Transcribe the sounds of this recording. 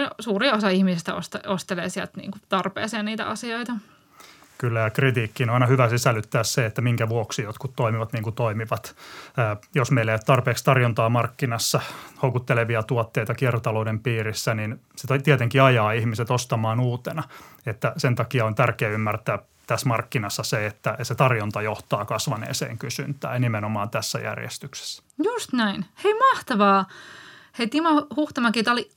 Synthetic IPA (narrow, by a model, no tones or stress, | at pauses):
suːriosɑihmisest̪æo̰st̪ost̪eleːsiælt̪nḭːŋkut̪ɑrpḛːseːnniːt̪æ̰ʔɑsioit̪ɑ | kylːæjɑkrit̪iːkːiːnoɑinɑhyʋæsisælyt̪ːæːsseet̪ːæmiŋkæʋuoksijot̪kut̪toimiʋɑt̪niːŋkut̪oimiʋɑt̪ː | josmeilːeiæt̪ɑrpeːkst̪ɑrjont̪ɑːmɑrkːinɑsːɑhoukut̪ːeleʋiɑt̪uot̪ːeit̪ɑkiɛrt̪ɑloudempiːrisːænin | set̪t̪iæt̪eŋkiɑjɑːihmiset̪ost̪ɑmɑːnuːt̪enɑet̪ːæsent̪ɑkiɑont̪ærkeːymːært̪æː | t̪æsmɑrkːinɑsːɑseet̪ːæet̪set̪ɑrjont̪ɑjoht̪ɑːkɑsʋɑnḛːsḛːŋkysynt̪æ̰ːnimenomɑːnt̪æsːæ̰jæ̰rjḛst̪ykse̥sː | just̪næinheimɑht̪ɑʋɑː | heit̪imɑhuht̪ɑmɑkiet̪oli